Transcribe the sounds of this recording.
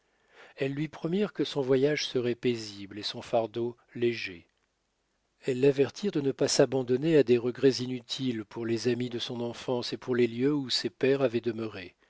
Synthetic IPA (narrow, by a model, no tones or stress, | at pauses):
ɛlːɥipχɔmiʁkəsɔ̃vwajaʒsəʁɛpeziblesɔ̃faʁd̪o | leʒe | ɛlːavɛʁt̪ʰiʁd̪ənəpasabɑ̃d̪ɔnead̪eʁəɡʁɛzinyt̪ʰilpʰuʁlezamid̪əsɔ̃nɑ̃fɑ̃sepuʁleljøusepɛʁavɛd̪əməʁe